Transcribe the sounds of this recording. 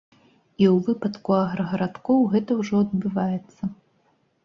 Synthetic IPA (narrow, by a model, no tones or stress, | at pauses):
iwvɨpɐt̪kuɐɣɾɐɣɐɾat̪kɔwɣɛt̪ɐwʐɔɐd̪̚bɨvajɛt̪sːɐ